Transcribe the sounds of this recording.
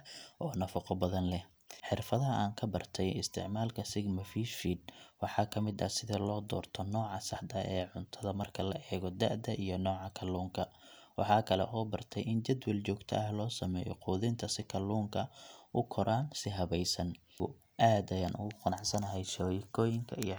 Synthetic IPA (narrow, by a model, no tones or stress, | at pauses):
ʔɔːnɐfɑqɔbɐðɐnlɛ | ħɪrfɐðɐɦɐʔaːŋkʰɐbɐrt̪ʰɛjɪst̪ʰɪ̰ʕmaːlkʰɐsɪɡmɐfiːʃfiːd̪̚wɑħɑːkʰɐmɪd̪ɐ̰sɪðɐlɔːd̪ɔːrt̪ʰɔnɔːʕɑsɑħd̪ɐɛːʕʊnt̪ʰɐðɐmɐrkʰɐlɐʔɛːɣɔd̪a̰ʔd̪ɐʔijɞnɔːʕɑkʰɐluːŋkʰɐ | wɑħɑːkʰɐlɛ̰ʔɔːbɐrt̪ʰɛjɪnt͡ʃɐd̪wɐlt͡ʃɔːɡt̪ʰɐ̰ɐhlɔːsɐmɛ̰ːjɔ̰quːðɪnt̪ʰɐsɪkʰɐluːŋkʰɐʔʊkʰɔɾʔaːnsɪɦɐβɛjsɐn | ʊ | ʔaːd̪ɐjaːnʔʊ̰ɣʊqʊnɑʕsɐnɐɦɛjʃɔjɪkʰɔːjɪŋkʰɐij